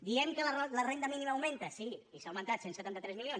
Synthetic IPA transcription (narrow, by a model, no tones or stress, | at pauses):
d̪iɛmkələlərend̪əminimaːwmẽnt̪əsiisawmənt̪at̪sensət̪ant̪ət̪ɾɛzmilions